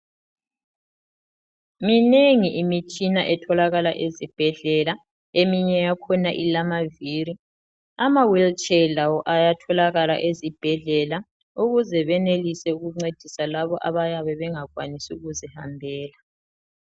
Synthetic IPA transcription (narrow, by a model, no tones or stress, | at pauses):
mineŋiʔimit͡ʃʼinaʔɛtʰɔlaɣalaʔezib̥ʱɛɮɛla | emiɲɛjakʰɔnaʔilamaviːri | amawilt͡ʃʼɛlawɔʔajatʰɔlaɣala̰ʔezib̥ʱɛɮɛla | uɣuzɛβɛnelisɛuɣuŋ͡ǀed̥ʱisalaβɔʔaβajaβɛβɛŋaɣwanisuuɣuzɛhambʱɛːla